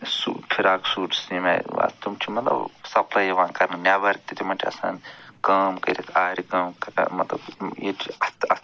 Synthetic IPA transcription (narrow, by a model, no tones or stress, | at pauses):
sṵːpʰiɾaːksuːʈsimɐ̰a̰t̪umt͡ʃʰimɐt̪lɐ̰bsɐpʰlaːjɐʋaːnkɐɾnɐnʲaːʋɐɾk̚t̪it̪imɐɳʈʰiɐ̰sa̰ːnkɐːmkɐ̰ɾʲit̪ʰaːɾikɐmkmɐt̪lɐ̰biʈʰɐt̪ɐ